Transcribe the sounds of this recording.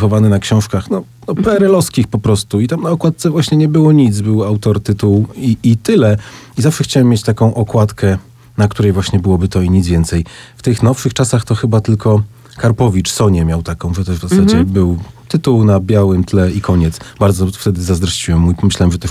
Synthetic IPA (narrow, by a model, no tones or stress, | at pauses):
xɔvanɘnakɕɔ̃w̃ʂkaxnɔ | nɔpɛɛɾɛlɔskʲixpɔpɾɔst̪uit̪amnaɔkwat̪̚sɛvwaɕɲɛɲɛbɘwɔɲidt̪zbɘwawt̪ɔɾt̪ɘt̪uwiːt̪ɘlɛizafʂɛxt͡ɕawɛmːjet͡ɕt̪akɔ̃w̃ʔɔkwat̪kɛ | nak̚t̪uɾɛjvwaɕɲɛbɘwɔbɘt̪ɔiɲid̪zvʲjɛnt̪sɛjft̪ɘxnɔfʂɘxt͡ʂasaxt̪ɔxɘbat̪ɘlkɔ | kaɾpɔvʲit͡ʂsɔɲɛmʲjawt̪akɔ̃w̃ʐɛt̪ɛʐvzasad͡ʑɛbɘwt̪ɘt̪uwnabʲjawɘmt̪lɛikʰɔɲɛt̪sbaɾd̪zɔft̪ɛd̪ɘzazd̪ɾɔɕt͡ɕiwɛmːujipɔmɘɕlaɛmʐɛt̪ɛ